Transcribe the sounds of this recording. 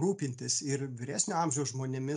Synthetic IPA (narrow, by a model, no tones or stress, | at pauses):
ɾuːpʲɪnʲt̪ʲɪsɪɾʋʲɪɾʲæːsʲnʲoɐmʲʒʲɛʊʒmoːnʲɪmʲɪ